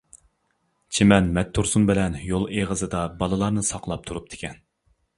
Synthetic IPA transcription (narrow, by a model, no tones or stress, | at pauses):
t͡ʃʰimɛnmɛt̪ʰːuɾsumbɪlɛnjolˠeʁəzɨd̪ɑbɑlˠɨlˠɑɾnɨsɑqlˠɑp̚t̪ʰuɾup̚d̪̥ʰɪ̥kʲɛn